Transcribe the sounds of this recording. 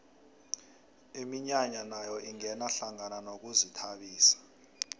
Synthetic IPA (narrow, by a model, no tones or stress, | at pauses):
imiɲaɲanajɔʔiŋɛnaɬaŋananok̬uzitʰaɓiːsḁ